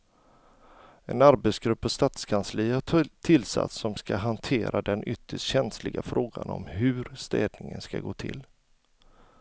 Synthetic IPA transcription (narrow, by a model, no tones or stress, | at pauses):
ɛnaɾbɛt̪sɡɾɵpːɔst̪aːt̪skʰansliat̪ʰɪlːsa̰t̪sɔmskaɦant̪ʰeːɾʔad̪ɛnʔʏt̪ʰːəʂʈɕɛnslɪɡafɾʔoːɡa̰nɔ̰mɦɵɾst̪ɛːd̪nɪŋənskaɡoːt̪ʰɪ̰l